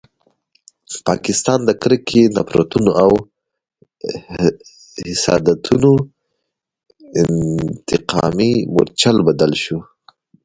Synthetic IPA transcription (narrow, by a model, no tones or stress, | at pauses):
pɑkɪst̪ɑnd̪əkɾəkʰenapɾo̰t̪unoaw | hɪsɑ̰d̪at̪ʰuno | ɪnt̪ɪqʰɑ̰mimo̰ɾt͡ʃalbad̪alʃu